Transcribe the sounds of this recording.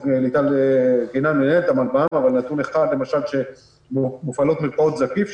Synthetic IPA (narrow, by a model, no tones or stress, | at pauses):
lit̪alɡenanenent̪amalbaamavalnat̪uneχad̪le̞maʃalʃe̞ | mufalo̞t̪meʁkaot̪zakif